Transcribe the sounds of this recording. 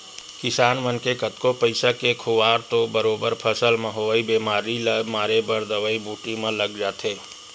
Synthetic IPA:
kɪsaːnmənkekət̪kopəɪsakekʰʊwaːɾt̪obəɾoːbəɾpʰəsəlmɐɦoʋəibeːmaːɾiləmaːɾebəɾd̪əʋəibuːʈimãlɐɡd͡ʒaːt̪eː

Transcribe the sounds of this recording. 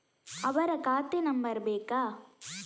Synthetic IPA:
ɐʋɐɾɐkaːt̪enɐmbɐɾbeːkaː

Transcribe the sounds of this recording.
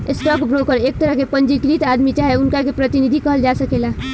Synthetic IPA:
esʈɾəkbɾokəɾek̚t̪əɾəɦkepənd͡ʒikɾit̪ad̪mit͡ʃaɦeunkakepɾət̪inid̪ʱikəɦəld͡ʒasəkela

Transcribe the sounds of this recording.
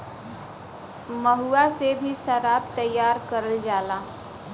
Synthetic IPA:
məɦuasebʱisəɾaːb̚t̪əjːaːɾkəɾəld͡ʒaːla

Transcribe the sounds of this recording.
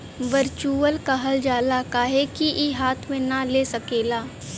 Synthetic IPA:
ʋəɾt͡ʃuːəlkɐɦəld͡ʒaːlakaɦɛkiʔiɦaːt̪ʰmẽnaleːsɐkeːlaː

